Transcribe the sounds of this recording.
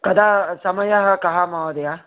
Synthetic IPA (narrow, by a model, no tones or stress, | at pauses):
kɐd̪ʱasɐmɐjɐɦɐkɐɦamaʋɐd̪ɐja